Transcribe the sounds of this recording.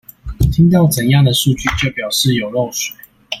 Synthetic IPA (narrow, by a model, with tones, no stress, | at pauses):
t̪ʰi˥ŋt̪̬ɑ˥˩ʊt͡sə˨˩njɑ˥˨˩ŋd̪ə˩ʂu˥˧t͡ɕy˥˨t͡ɕjo˥˩ʊpjɑ˨˩ʊʂɻ̩˥˨jo˨˩ʊlo˥˨ŋswe˨˩˦ɪ